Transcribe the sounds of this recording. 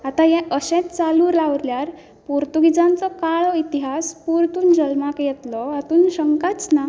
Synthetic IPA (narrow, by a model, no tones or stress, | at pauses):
at̪ajɛʔəɕɛ̃t̪̚t͡saluːɾlaʋɾljaɾ | puɾt̪uɡid͡zãnt͡sɔkaɭɔit̪iɦaspuɾt̪uːnd͡ʑəlmakjɛt̪lɔat̪uːnɕəŋkat͡sna